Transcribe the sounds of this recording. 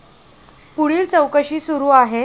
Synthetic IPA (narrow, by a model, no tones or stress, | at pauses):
puɽiːlt͡səwkəɕiːsuɾuːaɦe